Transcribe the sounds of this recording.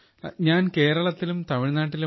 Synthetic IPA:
ɲaːnke̞ːɾɐɭɐt̪ːilumt̪ɐʋiɳinaːʈːil

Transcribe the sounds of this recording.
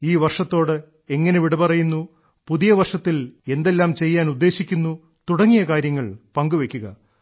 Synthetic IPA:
iːʋɐrʂɐt̪ːo̞ːɽɨ | e̞ŋːɐne̞ʋiɽupɐrɐjunːu | puðijɐʋɐrʂɐt̪ːile̞nd̪e̞lːaːmt͡ɕe̞jːaːnud̪ːe̞ːɕikʲːunːu | t̪uɽɐŋːijɐkaːɾjɐŋːɐɭpɐŋɡuʋe̞kʲːuɣɐ

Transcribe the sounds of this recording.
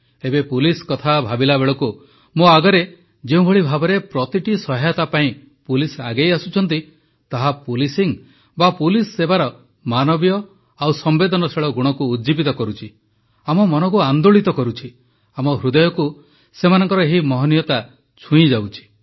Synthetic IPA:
ebepuliskɔt̪ʰabʱabilabeɭɔku | moaɡɔɾe | d͡ʒeũbʱɔɭibʱabɔɾepɾɔt̪iʈisɔɦajɔt̪apaĩ | pulisa̰ɡejasut͡ʃʰɔnt̪i | t̪aɦapulisiŋ | bapulisːebaɾɔ | manɔbjɔ | awsɔmbed̪ɔnɔseɭɔɡuɽ̃ɔkuːd̪d͡ʒibit̪ɔkɔɾut͡ʃʰi | amɔmɔnɔkuand̪oɭit̪ɔkɔɾut͡ʃʰi | amɔɦɾud̪ɔjɔku | semanɔŋkɔɾɔeɦimɔɦɔnijɔt̪a | t͡ʃʰũĩd͡ʒawt͡ʃʰi̥

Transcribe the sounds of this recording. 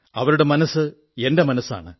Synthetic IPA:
ɐʋɐɾuɽe̞mɐnɐsːɨ | e̞ndemɐnɐsa̰ːɳɨ

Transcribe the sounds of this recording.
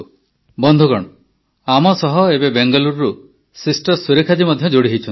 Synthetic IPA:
bɔnd̪ʱuɡɔɽ̃ɔ | amɔsɔɦɔebebeŋɡɔluɾɾu | sisʈɔɾsuɾekʰad͡ʒimɔd̪ʱjɔd͡ʒoɽiɦejt͡ʃʰɔn

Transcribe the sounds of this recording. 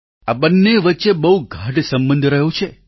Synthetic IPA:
abənːeʋətːʃebəɦuɡʱaʈsəmbənd̪ʱɾəɦũt͡ʃʰe

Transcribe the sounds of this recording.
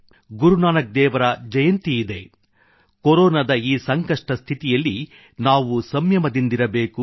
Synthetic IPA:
ɡuɾunaːnɐk̚d̪ɛːʋɐɾɐd͡ʒɐjɐnt̪iid̪e̞ | koɾɔːnɐd̪ɐiːsɐŋkɐʂʈɐst̪ʰit̪ijɐlːi | naːʋusɐmjɐmɐd̪ind̪iɾɐbe̞ːku

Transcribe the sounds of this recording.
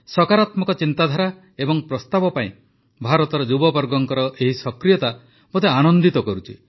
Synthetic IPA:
sɔkaɾat̪mɔkɔt͡ʃint̪ad̪ʱaɾa | ebɔŋpɾɔst̪abɔpaĩ | bʱaɾɔt̪ɔɾɔd͡ʒubɔbɔɾɡɔŋkɔɾɔʔeɦisɔkɾijɔt̪a | mot̪eanɔnd̪it̪ɔkɔɾut͡ʃʰi

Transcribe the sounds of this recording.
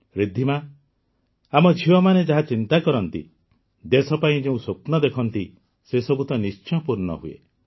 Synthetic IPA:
ɾid̪ʱima | amɔd͡ʒʱiwɔmaned͡ʒaɦat͡ʃint̪akɔɾɔnt̪ḭ | d̪esɔpaĩd͡ʒeũsopnɔd̪ekʰɔnt̪i | sesɔbʱut̪ɔnist͡ʃɔpuɾnɔ̰ɦuḛ

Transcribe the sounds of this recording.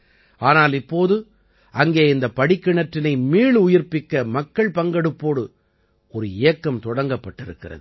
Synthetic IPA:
ʔaːnaːlɪpːoːðɯ | ʔɐŋɡeːɪnd̪ɐpɐɽɪkːɪɳɐʈːɪnɐɪmiːɭʊjɪɾpɪkːɐmɐkːɐɭpɐŋɡɐɽɯpːoːɽɯ | ɔɾɯɪjɐkːɐmt̪ɔɽɐŋɡɐpːɐʈːɪɾɯkːɪrɐ̰ðɯ

